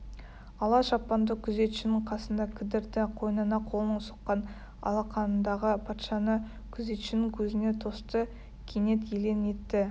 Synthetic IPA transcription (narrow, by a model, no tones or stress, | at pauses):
ɑlˠɑʃɑpːɑnd̪əkʲʰʏze̞t̪ʃɪnɪɴqʰɑsənd̪ɑkʲʰɪd̪ɪɾt̪ɪqʰo̞jnɑnɑqʰolˠnəɴsə̥qːɑn | ɑ̰lˠɑqʰɑnənd̪ɑʁəpʰɑt̪ʃɑnə | kʲʰʏze̞t̪ʃɪnɪŋkʲʰɵzɪne̞t̪ʰo̞st̪ə | kʲʰene̞t̪̬jele̞ne̞t̪ːɪ